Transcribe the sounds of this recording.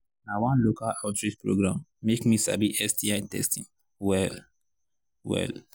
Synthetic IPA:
nawãnlokalatɹispɹo̰ɡɹãmːekmisa̰biʔɛstiãntɛ̰stḭ̃ŋ | wɛl | wɛ̰l

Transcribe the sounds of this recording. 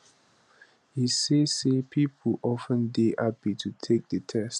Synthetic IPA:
hisesepʰipʰəʔɔfə̃ndeʔabitʰutʰek̚dətʰɛst

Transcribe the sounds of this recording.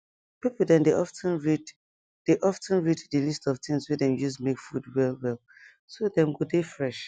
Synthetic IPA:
pipl̩ˠdɛ̃ndeʔɔftʰə̃nɹid | d̥eʔɔftʰə̃nɹiddəlistɔvtɪ̃ŋswedɛ̃mjusmekfudwɛlˠwɛl | sodɛ̃mɡodefɹɛʃ

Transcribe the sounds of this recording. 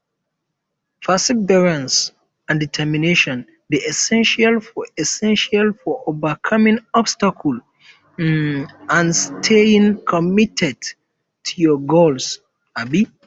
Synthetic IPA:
fasibɛɹãns | ãnditʰɛmineʃɔ̃n | diʔɛsɛ̃nʃalfɔɛsɛ̃nʃalfɔʔovəkʰʌmĩŋɔbstakʰul | nãnstʰeĩŋkʰɔmitʰɛd | tʰujɔɡols | abi

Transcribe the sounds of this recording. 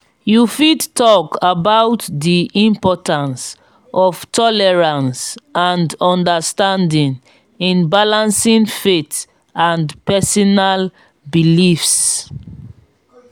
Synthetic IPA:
jufidtʰɔkabawtdiʔĩmpɔtãns | ɔv̥tʰɔlɛɹãnsãndɔ̃ndəstãndĩn | ĩnbalãnsĩnfet | ãndpɛsɔnal | bilifs

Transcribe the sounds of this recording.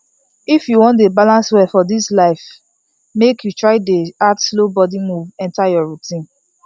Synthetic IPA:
ifjuwɔ̃ntdebalãnswɛfɔdislaɪf | mekjutɹaɪdeatslobɔdimuvɛ̃ntajɔɹutĩn

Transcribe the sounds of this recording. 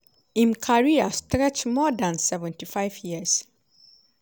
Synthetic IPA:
ĩmkʰaɹiastɾɛt͡ʃmɔdãnsɛvɛ̃ntʰifaɪvjiəs

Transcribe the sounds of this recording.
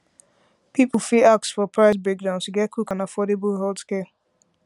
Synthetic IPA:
pipl̩fiak̚sfɔpʰɹaɪsbɛk̚dãʊ̃nsɡɛkʰukãnafɔdebʊlɦɔldskɛ

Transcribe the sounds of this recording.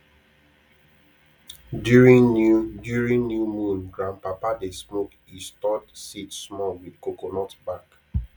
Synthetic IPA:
djuɹĩŋnjumũnɡɹãnpapadesmok | istɔdsitsmɔlwidkokonɔtbak

